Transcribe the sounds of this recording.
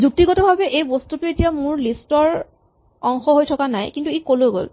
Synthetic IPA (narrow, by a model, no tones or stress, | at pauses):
zuk̚tiɡɔtɔbʱabɛʔejbostutʊetijamʊɹlistɔɹ | ɔŋxɔɦojtʰɔkanajkintuekolojɡo̰l